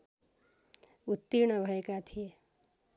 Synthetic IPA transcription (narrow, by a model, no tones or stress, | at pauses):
ut̪ːiɾɳ̃ʌbʱʌekat̪ʰie